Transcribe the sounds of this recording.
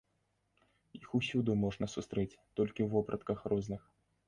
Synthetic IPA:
jixusʲud̪umɔʐnɐsust̪ɾɛt͡sʲt̪ɔlʲkʲiwvɔpɾɐt̪kɐxrɔznɨx

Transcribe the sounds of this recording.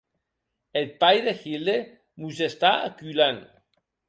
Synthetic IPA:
el̚pajðexild̪e | musest̪aa̰kylan

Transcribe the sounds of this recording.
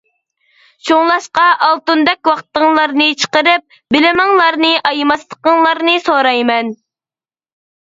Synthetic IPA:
ʃʰoŋlˠɑʃqɑʔɑlˠt̪und̪ɛk̚ʲwɑqt̪ːəŋlˠɑɾnɨt͡ʃʰə̥qəɾɨp̚ | bɪlɪmɪŋlˠɑɾnɨʔɑjmɑst̪ˠəqəŋlˠɑɾnɨsoɾɑjmɛn

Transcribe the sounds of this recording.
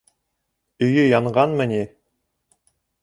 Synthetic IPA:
ɵ̆jɵjɑɴʁɑnmɘ̆ni

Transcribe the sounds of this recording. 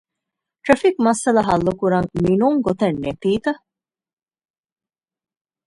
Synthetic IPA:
ʈ̪ɾɐfikmɐsɐlɐɦɐlːukuɾɐŋminuŋɡot̪ɐnːetiːt̪ɐ

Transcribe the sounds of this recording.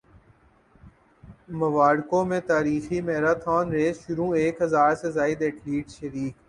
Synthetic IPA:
məʋaːɽkõːmẽt̪aːɾiːximɛɦɾaːt̪ʰaːnɾeːzʃʊɾũːeːkɦəzaːɾsezaːɪd̪eʈliːʈʃəɾiːk

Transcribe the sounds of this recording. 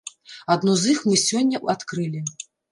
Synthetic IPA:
ad̪nuzixmɨsʲɔnʲːɐat̪kɾɨlʲi

